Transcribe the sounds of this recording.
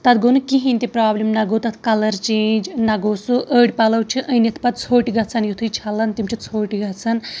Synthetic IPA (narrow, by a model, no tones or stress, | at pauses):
t̪ɐt̪ʰɡonukiɦĩnʲt̪ipɾaːblimnɐɡowt̪ɐt̪ʰkɐlɐɾt͡ʃeːnd͡ʒnɐɡowsuʔəːɽʲpɐlɐwt͡ʃʰɨʔɐ̃jnɐt̪ʰpɐt̪̚t͡sʰoːʈiɡɐt͡sʰanjut̪ʰujt͡ʃʰɐlɐnt̪imt͡ʃʰit͡sʰoːʈiɡɐt͡sʰɐn